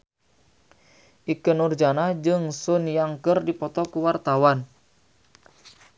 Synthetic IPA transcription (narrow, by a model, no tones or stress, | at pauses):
ʔikənurd͡ʒanad͡ʒɨŋsʊnjaŋkərdipɔt̪ɔkuwart̪awan